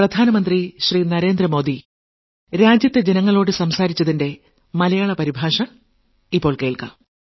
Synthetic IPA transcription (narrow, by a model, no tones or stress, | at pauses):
prɐd̪ʱaːnɐmɐnd̪riɕriːnɐɾe̞ːnd̪rɐmo̞ːd̪i | ɾaːd͡ʑjɐt̪ːed͡ʑenɐŋːɐɭo̞ːɽɨsɐmsaːɾit͡ɕːɐðinde̞ | mɐlɐjaːɭɐpɐɾibʱaːʂɐ | ipːo̞ːɭkeːɭka̰